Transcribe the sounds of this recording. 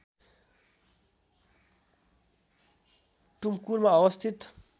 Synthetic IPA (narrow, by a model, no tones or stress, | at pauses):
ʈumkuɾmaʌwʌst̪ʰit̪